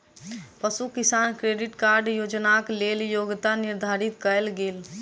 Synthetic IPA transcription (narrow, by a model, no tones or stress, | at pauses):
pəsukisankɾeɖiʈkaɾɖjoːd͡ʒnakleljoɡt̪aniɾd̪ʱaɾit̪kəlɡeːl